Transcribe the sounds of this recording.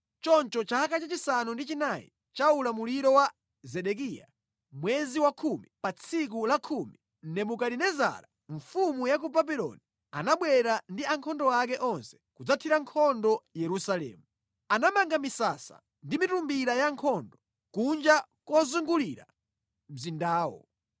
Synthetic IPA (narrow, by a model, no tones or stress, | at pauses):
t͡ʃɔnt͡ʃɔt͡ʃaakat͡ʃat͡ʃisanundit͡ʃinajḭ | t͡ʃaulamuliɾɔwa | zɛɗɛk̬ija̰ | mwɛziwakʰumipat͡sʰik̬ulakʰumi | n̩nɛmukadinɛza̰ɾa | ɱfumujakubabiɾɔ̰ni | a̰naɓwɛɾandiaŋkʰɔndɔak̬ɛʔɔnsɛ̥kud͡zatʰiɾaŋkʰɔndɔjɛɾusalɛ̰ːmu | anamaŋɡamisasa̰ | ndimitumbiɾajaŋkʰɔndɔ | kund͡ʒakɔzuŋɡuliɾa̰ | m̩zindaːwɔ̰